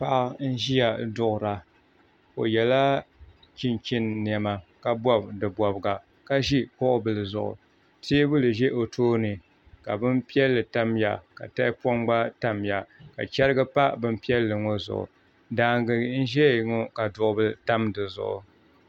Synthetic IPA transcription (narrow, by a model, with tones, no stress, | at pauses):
pa˦ʔn̩˦ʒi˦ja˨dʊ˨ʔʊ˨ɾa˨ | o̰˨jɛ˨la˦ | t͡ʃi˦nt͡ʃi˦nː˨ɛ˨ma˨ka˨bɔ˦bdɨ˨bɔ˨bɨ˨ɡa˨ | ka˦ʒi˦kɔ˦ʔʊ˦bɨ˨lɨ˨zʊ̰˨ʔʊ̰˨ | tʰi˦bʊ˦lɨ˨ʒe˦ʔo˨tʰoː˦nɨ˨ | ka˨bɨ˦mpi˦ɛ˦lːɨ˨ta˦mja˨ka̰˨ta˦ɪ˦pɔ˦mɡ͡ba˦ta˦mja˨ka̰˨t͡ʃɛ˦ɾɨ˦ɡɨ˦pa˦bɨ˦mpi˦ɛ˦lːɨ˨ŋo˦zʊ̰˨ʔʊ̰˨ | daː˨ŋɡɨ˨n̩˦ʒɛ˦ŋo˦ka˨dʊ˨ʔʊ˦bɨ˦ta˦mdɨ˨zʊ̰˨ʔʊ̰˨